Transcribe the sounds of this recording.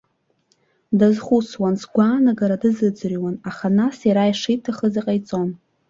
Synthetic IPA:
dazχʷuswansɡʷaːnaɡaɾadɨzɨd͡zriwanaχanasiɾajʂijtʰaχəziqʼajt͡sʼo̞n

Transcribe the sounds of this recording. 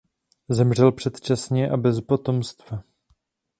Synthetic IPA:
zɛmr̝ɛlpr̝̥ɛt̪t͡ʃasɲɛʔabɛspo̞t̪o̞mst̪va

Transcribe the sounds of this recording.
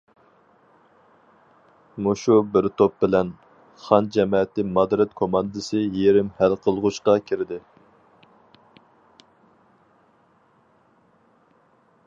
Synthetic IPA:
muʃubɪɾt̪ʰop̚bɪlɛn | χɑnd͡ʒɛmɛːt̪ɪmɑd̪ɾɛt̪kʰomɑnd̪ɨsɨjeɾɪmhælqʰəlˠʁʊʃqɑkʲʰɪɾɪd̪ɪ

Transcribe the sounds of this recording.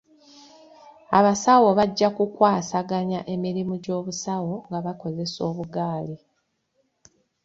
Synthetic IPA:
aβasawo̞βaɟːakukwaːsaɡaɲaʔe̞miɾimuɟo̞ːβusawo̞ŋɡaβako̞ze̞so̞ːβuɡaːli

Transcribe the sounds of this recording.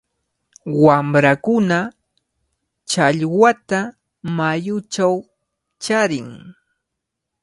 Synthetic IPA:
wamɾakʊna | t͡ʃaʎwat̪a | majʊt͡ʃaw | t͡ʃaɾɪŋ

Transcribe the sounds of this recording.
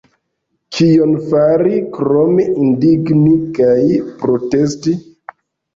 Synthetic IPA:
kʰijonfaɾikɾomeʔindiɡnikajpɾotesti

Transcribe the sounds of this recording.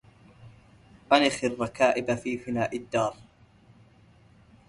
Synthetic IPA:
ʔanɪxɪrˤːɑkaːʔɪbafiːfɪnaːʔɪd̪ːɑːɾˤ

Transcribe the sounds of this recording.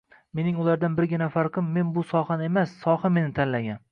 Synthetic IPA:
me̞nɪŋʊlaɾd̪anbɪɾɡʲɪnafaɾqʰɨmːe̞nbʊsɒhanɪe̞masːɒhame̞nɪt̪ʰanlaɡʲan

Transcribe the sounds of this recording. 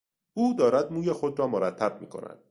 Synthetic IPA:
uːd̪ɒːɾæd̪̚muːjexod̪ɾɒːmoɾæt̪ʰːæb̚mḭːkʰo̞̰næ̰nd̪̥̚

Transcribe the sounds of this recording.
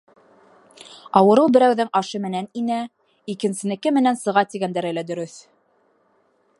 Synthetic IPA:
ɑwɤ̆ɾɤlˠbɘ̆ɾæwðɘŋɑʃɤmɘ̆næninæ | ikɘ̆nsɘ̆nɘ̆kɘmɘ̆nænsɤ̆ʁɑt̪iɡænd̪æɾɘ̆læd̪ɵ̆ɾɵθ

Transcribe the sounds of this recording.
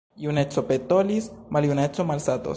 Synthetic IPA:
junet͡sopet̪olismaljunet͡somalsat̪o̰

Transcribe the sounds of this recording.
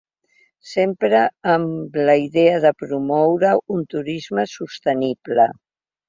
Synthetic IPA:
sempɾəːmləiðeəðəpɾumɔwɾəunt̪uɾizməsust̪əniβlə

